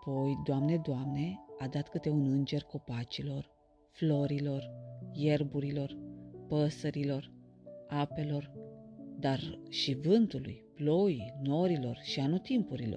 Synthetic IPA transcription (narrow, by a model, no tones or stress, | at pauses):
apo̞jd̪oamne̞d̪oamne̞ad̪at̪kɨt̪e̞unɨnd͡ʒe̞rko̞pat͡ʃilo̞r | flo̞ɾilo̞rje̞rbuɾilo̞rpəsəɾilo̞r | ape̞lo̞rd̪arʃivɨnt̪ulṵjploino̞ɾilo̞rʃianut̪impuɾilo̰